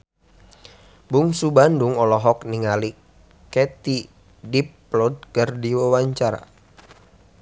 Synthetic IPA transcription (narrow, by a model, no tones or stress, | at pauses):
buŋsubanduŋɔlɔɦɔkniŋali | kɛt̪i | dipː | lɔd̪̚kərdiwawaɲt͡ʃaɾa̰